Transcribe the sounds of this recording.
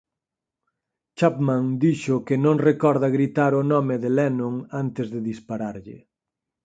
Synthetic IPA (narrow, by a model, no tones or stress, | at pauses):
t͡ʃapmãŋd̪iʃʊkɪnõŋrekɔɾðɐɣɾit̪aɾʊnɔmɪðɪlɛnõŋant̪ɪzðɪðispaɾaɾʎɪ̰